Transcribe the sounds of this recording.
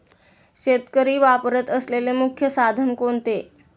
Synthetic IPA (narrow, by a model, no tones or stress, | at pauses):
ɕet̪kəɾiːʋapəɾət̪əslelemukʰjəsad̪ʱəmkont̪e